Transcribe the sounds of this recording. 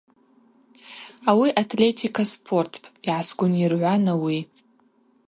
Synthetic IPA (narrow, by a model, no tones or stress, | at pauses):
awiʔatʰlʲe̞tʰikʰaspʰo̞rtʰpʼiʕasɡʷʊnirʕʷanawi